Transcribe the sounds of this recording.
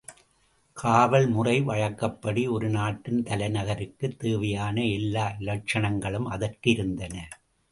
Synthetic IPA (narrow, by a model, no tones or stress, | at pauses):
kʰaːʋɐɭmʊrɐɪʋɐɻɐkːɐpːɐɽiɔɾɯnaːʈːɯnt̪ɐlɐɪnɐɣɐɾɯkːɯt̪ːeːʋɐjaːnɐɛlːaːʔɪlɐt͡ʃːɐnɐŋɡɐɭɯmɐðɐrkɪɾɯnd̪ɐnɐ